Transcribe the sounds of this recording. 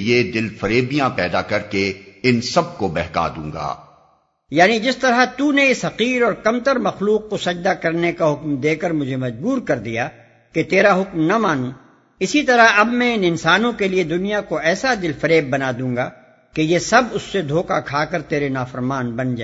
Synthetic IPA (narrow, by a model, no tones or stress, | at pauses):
jed̪ɪlfɐɾeːbijãpɛːd̪akɐɾkeɪnsɐb̚kobɛɦka̰ːd̪ṵ̃ːŋɡa̰ː | jaːnid͡ʒɪst̪ɐɾat̪uneɪsɦɐqiːɾɔːɾkɐmt̪əɾmɐxluːqːosɐd͡ʒd̪akɐɾnekaɦʊkmd̪eːkəɾmʊd͡ʒʱemɐd͡ʒbuːɾkɐɾd̪ija | ket̪eːɾaɦʊkmnamaːnũ | ɪsit̪ɐɾaɐbmɛ̃ɪnɪnsaːnõkelied̪ʊnijakoɛːsad̪ɪlfɐɾeːbːɐnaːd̪ũːŋɡaː | kejesɐbʊsːed̪ʱoːkakʰaːkɐɾt̪eːɾenaːfɐɾmaːnbɐnd͡ʒaː